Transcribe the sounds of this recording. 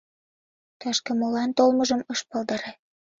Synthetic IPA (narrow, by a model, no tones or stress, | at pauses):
t̪ɑʃkĕmolɑnt̪olməʒəmɤʃpɑlˠd̪ɑɾe